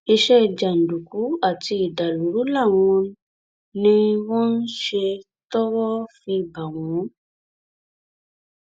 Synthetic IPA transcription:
i˧ʃɛ˦˨d͡ʒa˨n̩˨du˨ku˨˦a˦˨ti˧i˨da˨lu˨˦ɾu˦la˦˨w̃ɔ̃˧n˦ | nĩ˧wɔ̃˦n̩˦ʃe˧ | tɔ˦wɔ˦fi˧˨ba˨w̃ɔ̃˨˦

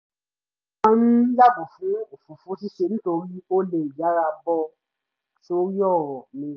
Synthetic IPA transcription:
ã˦nũ˦la˦ɡu˨fũ˨˦o˨fu˨fũ˨˦si˦ʃe˦˧˦n̩ĩ˦to˧ɾi˦o˦le˨ja˨˦ɾa˧bɔ˧ | so˧ɾi˦ɔ˦˨ɾɔ˨mĩ˧˦

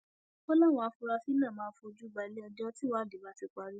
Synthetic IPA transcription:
ɔ˦lɔ˦˨w̃ɔ̃˧a˧fũ˧ɾa˧fi˦nã˦˨mãː˨˦˧fo˧o˧d͡ʒu˦ba˨˧˨le˦ɔ˧dɔ˦ti˦wa˨˦˨de˨ba˨˦ti˧k͡pa˧ɾi˦

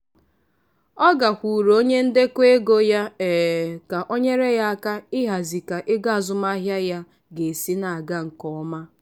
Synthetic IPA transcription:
ɔ˦ɡa˨kʷu˨ɾo˦ɲe˦n̩˦de˦kʷe˦ɡo˦ja˦ɛː˨ka˨ʔo˦ɲe˦ɾe˦ja˦a˦ka˦ɪ˦ɦa˨zi˨ka˨ʔɪ˦ɡa˦a˨zʊ˨ma˦ɦja˦ja˦ | ɡe˨si˦na˨a˨ɡa˦ŋ̩˨kɔ˦ɔ˦ma˦

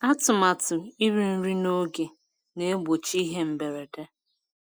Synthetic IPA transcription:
a˦tʊ˨ma˨tʊ˨i˦ɾi˨n̩˦ɾi˦no˦ɡe˨ | ne˦ɡ͡bo˨t͡ʃi˦ɦe˦m̩˨be˨ɾe˨de˦

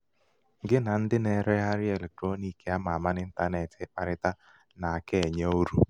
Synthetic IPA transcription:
ŋɡɪ˦na˨˦n̩˦dɪ˦nɛ˦ɾɛ˦ɦa˦ɾɪ˦ɛ˨lɛ˨k̚tɾo˦ni˨ke˨a˦ma˨ma˦nɪ˦n̩˦ta˦nɛ˨tɪ˨˦pa˨ɾɪ˦ta˦ | na˨kɛ˦˨ɲɔ˦o˦ɾu˦

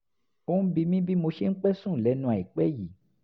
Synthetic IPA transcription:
o˦nũ˦bi˧mĩ˦bi˦mo˧ʃe˦ŋ̩˦k͡pɛ˦sũ˦˨lɛ˨˦nũ˧˦a˨i˨k͡pɛ˦ji˨

